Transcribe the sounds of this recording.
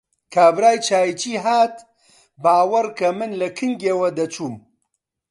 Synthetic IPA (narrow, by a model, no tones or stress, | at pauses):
kʰaːbɾaːjt͡ʃʰaːjit͡ʃiːɦaːt̪ | baːwɐɾkɐmɨnlɐkʰɨŋɡeːwɐd̪ɐt͡ʃʰuːm